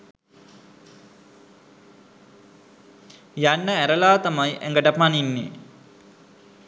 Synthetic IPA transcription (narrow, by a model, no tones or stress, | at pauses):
janːəæɾəlaːt̪amajʔæ̰ŋɡəʈəpaninːḛ